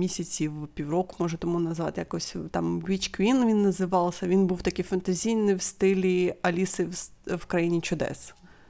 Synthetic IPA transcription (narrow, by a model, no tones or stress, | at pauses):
mʲisʲɐt͡sʲiwpʲiwrɔkʊmɔʒɐt̪ɔmunɐzʋɑ̰t̪ɪjɐkɔsʲt̪ɑmʋʲit͡ʃkʋʲinʋʲinːɐzɪʋɑlˠsʲɐʋʲinbuwt̪ɐkɪfɐnt̪ɐzʲijnɪwst̪ɪlʲiɐlʲisɪws | wkɾɐjinʲit͡ʃʊd̪ɛ̰s